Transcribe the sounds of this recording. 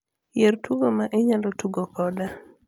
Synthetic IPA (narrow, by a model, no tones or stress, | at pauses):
jertuɡomaʔeɲalɔtuɡokɔda